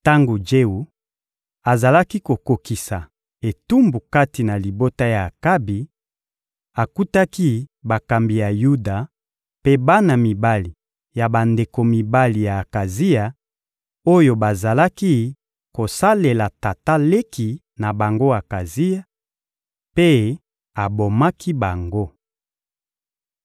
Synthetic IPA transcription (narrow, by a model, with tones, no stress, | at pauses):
ta˦ŋɡo˨d͡ʒe˦u˨ | a˨za˨la˦ki˦ko˨ko˨ki˨sa˨ | e˨tu˦mbu˨ka˦ti˨na˨li˨bo˦ta˦jaː˨ka˦bi˨ | a˨ku˦ta˦ki˦ba˨ka˨mbi˨ja˨ju˦da˨ | pe˦ba˦na˨mi˨ba˦li˨ | ja˨ba˨nde˨ko˨mi˨ba˦li˨ja˨ka˨zi˦ja˨ | o˦jo˨ba˨za˨la˦ki˦ | ko˨sa˦le˨la˨ta˨ta˦le˦kʰi˨ | na˨ba˨ŋɡo˦a˨ka˨zi˦ja˦ | pe˦ | a˨bo˨ma˦kʰi˦ba˨ŋɡo˦